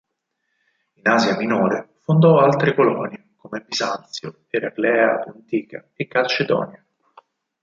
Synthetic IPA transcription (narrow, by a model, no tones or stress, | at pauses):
inaːzjaminoːɾefond̪ɔalt̪ɾekolɔ̰ːnjekomebizant̪sjo | eɾaklɛːa̰p̪ont̪iːka̰ | ekːalt͡ʃed̪ɔ̰ːnja